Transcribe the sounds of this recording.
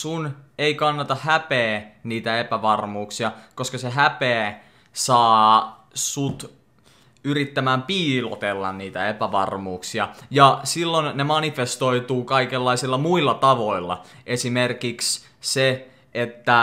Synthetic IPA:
suneikɑnːɑt̪ɑhæpeːniːt̪æepæʋɑrmuːksiɑkoskɑseɦæpeː | sɑː | sut̪ | yrit̪ːæmæːmpiːlo̰t̪elːɑ̰nniːt̪æepæʋɑ̰rmuːksiɑjɑsilːonːemɑnifest̪o̞it̪uːkɑikelːɑisilːɑmuilːɑt̪ɑʋo̞ilːɑ̰ʔesimerkiks | se | ʔet̪ːæ

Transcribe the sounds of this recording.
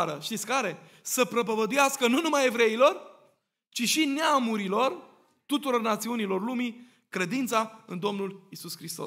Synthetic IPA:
ɾəʃt̪it̪sʲkaɾe̞ | səpɾəp̬əvəd̪ujaskənunumaje̞vɾe̞ilo̞r | t͡ʃiʃineamuɾilo̞r | t̪ut̪uɾo̞rnat̪siunilo̞rlumi | kɾe̞d̪int̪saɨnd̪o̞mnulisuskɾist̪o̞̰

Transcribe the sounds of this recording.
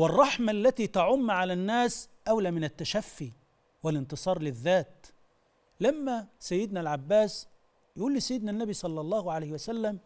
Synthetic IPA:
wɑrˤːɑħmalːæt̪iːt̪aʕʊmːʕalænːaːsʔawlaːmɪnæt̪ːæʃæfːi | wɪlɪnt̪ɨsˤɑːɾˤlɪðːaːt̪̚ | lamːæsæjːɪd̪nælʕabːaːs | jaʔuːlːisæjːɪd̪nænːæbisˤɑlːɑlˤːɑːhʕalajhɪwæsælːæm

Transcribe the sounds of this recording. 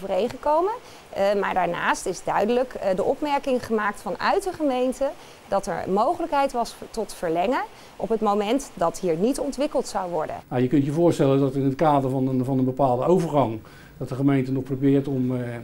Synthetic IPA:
vərejχəkowmən | maːɹdaːɹna̰ːstɪzdœɥdələkdəʔɔpmɛɹkɪŋχəmaːk̚tfɑnœ̰ɥt̚dəχəmejntə | dɑtɛ̰ɹmowχələkɦɛjtʋɑstɔtfəɹlɛŋən | ʔɔpɦətmowmɛntdɑtɦiːɹnitɔntʋɪkəlˠtsɑwʋɔ̰ɹdə̰nmajəkɵntjəvʊːɹstɛləndɑtɪnətkaːdəɹvɑnəvɑnənbəpaːlˠdəowvəɹχɑŋ | d̥ɑtdəχəmejntənɔχprowbɪːɹtɔm

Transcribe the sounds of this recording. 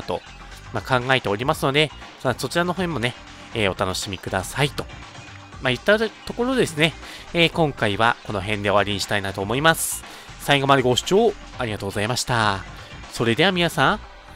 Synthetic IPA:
t̪o̞̰ | makãŋɡae̞t̪e̞o̞ɾʲimasɨno̞d̪e̞ | aso̞t͡ɕiɾano̞ɦõmːo̞ne̞ | eːo̞t̪ano̞ɕimʲikɯ̟d̪asait̪o̞̥ | majɯ̟t̪ːat̪o̞ko̞ɾo̞d̪e̞sɨne̞ | eːkõ̞ŋkaiβa̰ko̞no̞ɦẽ̞nd̪e̞o̞aɾʲiɲ̟iɕi̥t̪ainat̪o̞ːmo̞imasɨ̥ | saiɡo̞maɾɯɡo̞ɕɨ̥t͡ɕo̞ː | aɾʲiɡat̪oːɡo̞zaimaɕi̥t̪a | so̞ɾe̞d̪e̞amʲinasãŋ

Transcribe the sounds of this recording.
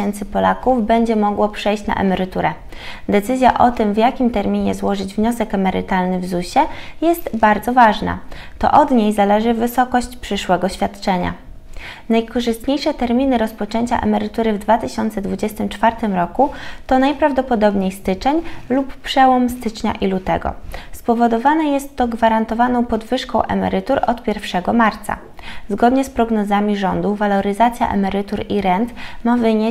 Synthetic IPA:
ɛnt̪sɘpɔlakuvbɛɲd͡ʑɛmɔɡwɔpʂɛjɕt͡ɕna̰ʔɛ̰mɛɾɘt̪uɾɛ | d̪ɛt̪sɘzʲja̰ʔɔt̪ɘmvjakʲimt̪ɛɾmʲiɲɛzwɔʐɘd͡ʑvɲɔsɛkɛmɛɾɘ̰t̪alnɘvzuɕɛjɛst̪baɾd̪zɔvaʐna̰t̪ɔ̰ʔɔd̪ɲejzalɛʐɘvɘsɔkɔɕt͡ɕpʂɘʂwɛɡɔɕfʲjat̪t͡ʂɛɲa̰ | najkɔʐɨst̪ɲejʂɛt̪ɛɾmʲinɘɾɔspɔt͡ʂɛɲt͡ɕa̰ʔɛ̰mɛɾɘt̪uɾɘvd̪vat̪ɘɕɔnt̪sɛd̪vud͡ʑɛst̪ɘmt͡ʂfaɾt̪ɘmɾɔkut̪ɔnajpɾavd̪ɔpɔd̪ɔbɲejst̪ɘt͡ʂɛɲlupːʂɛwɔmst̪ɘt͡ʂɲa̰ʔilut̪ɛ̰ɡɔ̰spɔvɔd̪ɔvanɛjɛst̪ːɔɡvaɾant̪ɔvanɔ̃w̃pɔd̪vɘʂkɔ̃w̃ʔɛ̰mɛ̰ɾɘt̪uɾɔt̪pʲjɛɾfʂɛɡɔmaɾt̪sa̰ | zɡɔd̪ɲɛspɾɔɡnɔzamʲiʐɔnd̪uvalɔɾɘzat̪sʲja̰ʔɛ̰mɛɾɘt̪uɾiɾɛnt̪mavɘɲe

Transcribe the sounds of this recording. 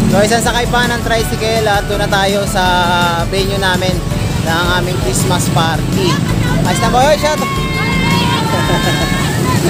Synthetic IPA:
soʔɪsans̬ɐkɐjpanɐŋt̪ɾajsɪkɛlɐt̪̚d̪unɐt̪aːjo̞sɐ | bɛɲonaːmɪnː | ɐŋʔaːmɪŋkɾismɐspaɾt̪iʔɐst̪ɐbɐhojʃat̪o

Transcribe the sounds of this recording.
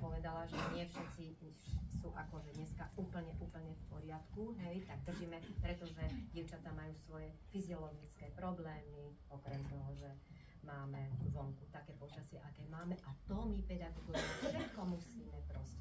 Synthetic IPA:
pɔʋɛd̪alaʒɛɲɪɛfʃɛt̪t͡si | suʔakɔʒɛɲɛskauːpl̩ɲɛʔuːpl̩ɲɛfpɔɾɪat̪kuɦɛjt̪aɡ̚d̪r̩ʒimɛpɾɛt̪ɔʒɛɟɪɛʊt͡ʃat̪amajuːsʋɔjɛfiziɔlɔɡit͡skɛːpɾɔblɛːmi | ɔkɾɛmt̪ɔɦɔʒɛ | maːmɛʋɔŋkut̪akɛːpɔt͡ʃasɪɛʔakɛːmaːmɛʔat̪ɔmipɛd̪aɡɔɡujɛfʃɛt̪kɔmusiːmɛpɾɔscɛ

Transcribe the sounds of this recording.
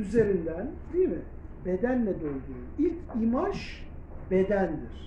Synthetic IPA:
yze̞ɾind̪ænd̪ijmi | be̞d̪ænlʲɛd̪ønʲd̪ymilʲcʰimaʃ | bed̪ænd̪iɾ̥

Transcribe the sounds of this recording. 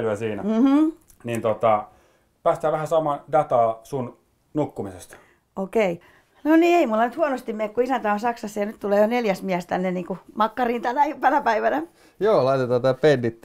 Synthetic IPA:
lyæsiːnæm̩h̩ | nint̪ot̪ɑ | pæːst̪hæːʋæhæsɑmɑndɑt̪ɑːsun | nukːumisest̪ɑ̥ | okei | noniːeimulːɑnyt̪huonost̪immeːkkuisænt̪æonsɑksɑsːejɑnyt̪t̪uleːjoneljæsmiæst̪ænːeniːŋkumɑkːɑriːnt̪ænæpænæpæiʋænæ | joːlɑit̪et̪ɑːt̪ɑpenːit̪ː

